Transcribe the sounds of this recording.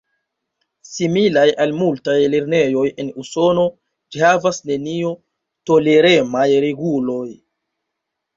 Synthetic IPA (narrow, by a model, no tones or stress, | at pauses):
similajʔalmultajle̞ɾne̞jo̞je̞nuso̞no̞ | d͡ʒihavasne̞nio | to̞le̞ɾe̞majɾeɡulo̞j